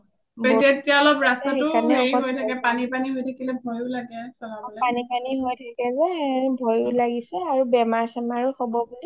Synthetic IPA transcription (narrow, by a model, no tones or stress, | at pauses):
beetijaɔlɔpɹasatʊanieɔɹiɔɦojtʰakɛpanipaniɦojtʰakilɛbʱojʊlaɡɛsɔlabɔlɛpanipaniɦojtʰakɛzɛbʱɔjʊlaɡisɛaɹubɛmaɹsamaɹuxɔbɔbuli